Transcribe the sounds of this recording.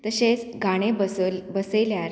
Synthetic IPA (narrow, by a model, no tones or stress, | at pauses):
t̪əɕet͡sɡʱaɽ̃ebbəseljaɾ